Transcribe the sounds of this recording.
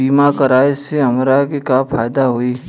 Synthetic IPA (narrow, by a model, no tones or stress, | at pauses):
iːmakɐɾaːeseɐmɾakikaːpʰaːjd̪aɦoːiː